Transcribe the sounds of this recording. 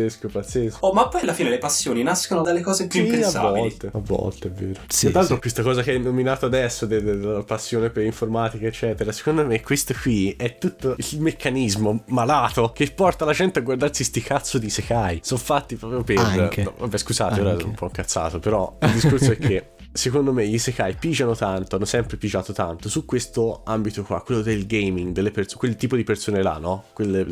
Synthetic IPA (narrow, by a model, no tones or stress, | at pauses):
eskopat̪sːesomapːɔjalːafiːnelepasːjoːninaskonod̪elːekɔːzepjuipesavaːɔlt̪eavːɔ̰lt̪eɛvːeːɾoalt̪ɾokwest̪okɔːzakeɛnːominaːt̪oad̪ɛsːod̪eaapasːjoːnepeliɱformaːt̪ikaet͡ʃːɛːt̪eɾase̥kond̪omekʰːwest̪okwiɛt̪ːut̪ːoilmekʰːanizmomalaːt̪ok̟epːɔrt̪alad͡ʒɛnt̪eaɡward̪arsist̪ikat̪sːod̪isekajsoɱfat̪ːipɾɔpɾjoperva̰bːɛskuza̰ːt̪eoːɾaoumpɔiŋkːat̪sːa̰ːt̪opeɾɔild̪iskorssoɛkʰːe | sekond̪omeʎisekajpid͡ʒanot̪ant̪oanːosɛmpɾepid͡ʒaːt̪ot̪ant̪osukwest̪oambit̪okwa̰kːwelːod̪elɡejmiŋɡd̪elːeperskwelt̪iːpod̪ipersoːnela̰nːɔkwelːe